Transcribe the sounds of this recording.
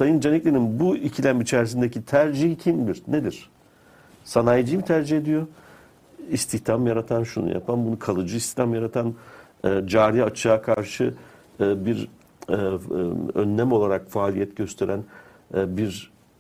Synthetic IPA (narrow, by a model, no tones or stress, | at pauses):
sajɯnd͡ʒanɛclʲeɾinbuicʰilʲæmit͡ʃʰæɾsind̪ecʰit̪ʰæɾd͡ʒiɦicʰimd̪iɾned̪iɾ̥ | sanajd͡ʒɯjmit̪ʰæɾd͡ʒihe̞d̪ijo | ist̪ʰiçt̪ʰamjaɾat̪ʰanʃunṵja̰pʰambunukʰalˠɯd͡ʒɯist̪i̥ht̪ʰamjaɾat̪ʰanː | d͡ʒaːɾijat͡ʃʰaakʰaɾʃɯ | biɾ | ø̰nːæmo̞lˠaɾakfaːlʲijɛt̪ɟø̞st̪ʰe̞ɾʔæn | biɾ